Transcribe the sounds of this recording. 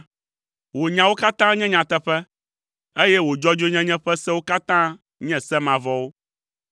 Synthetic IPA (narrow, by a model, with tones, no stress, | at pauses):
wo˨ɲã˨wo˦ka˦t̪ã˦ɲɛ̃˦ɲã˨t̪ɛ˦ɸɛ˦ | e˦jɛ˦wo˨d͡ʒɔ˦d͡ʒo˦ɲɛ̃˦ɲɛ̃˦ɸɛ˦sɛ˦wo˦ka˦t̪ã˦ | ɲɛ̃˨sɛ˦mã˨vɔ˦wo˦